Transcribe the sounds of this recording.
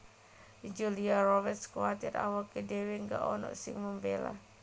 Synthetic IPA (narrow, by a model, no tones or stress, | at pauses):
id͡ʒuliaɾɔbɛrskuwat̪ɪt̪a̰wakːedeweŋɡa̰ʔɔnɔ̰ʔsɪ̰ŋməmbela̰